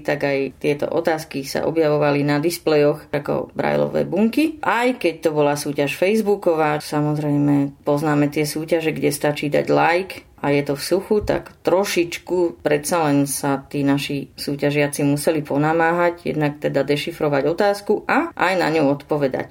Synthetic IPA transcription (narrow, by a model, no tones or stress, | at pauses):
t̪aɡajt̪ɪɛt̪ɔ̰ʔɔ̰t̪aːskisa̰ʔɔ̰bjaʋɔʋalinad̪isplɛjɔxakɔ̰bɾa̰jlɔ̰ʋɛ̰jbuŋkiʔajkɛc̚t̪ɔbɔlasuːcaʃfɛjzbukɔʋaːsamɔzɾɛjmɛpɔznaːmɛt̪ɪɛsuːcaʒɛɡɟɛst̪at͡ʃiːd̪a̰ɟlajkʔajɛt̪ɔfsuxut̪a̰kt̪ɾɔʃit͡ʃkupɾɛt̪salɛnsat̪iːnaʃisuːcaʒɪat͡simusɛlipɔnamaːɦaɟjɛ̰d̪nak̚t̪ɛd̪ad̪ɛʃifɾɔʋaɟɔt̪aːskuʔaʔajna̰ɲuʊɔt̪pɔʋɛd̪a̰c